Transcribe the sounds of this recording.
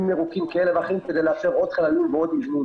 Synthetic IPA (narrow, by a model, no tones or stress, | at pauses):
meʁukimkaelevaχimked̪ejleaʃeʁo̞d̪χalalumveod̪ivnu